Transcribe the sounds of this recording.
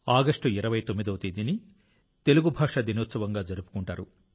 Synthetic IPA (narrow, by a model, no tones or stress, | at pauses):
aːɡɐʂʈuiɾɐʋɐjt̪omːid̪ɐwt̪id̪ini | t̪e̞luɡubʱaːʂɐd̪inoːt̪sɐʋɐŋɡaːd͡ʒɐɾupu̥kuɳʈaːɾu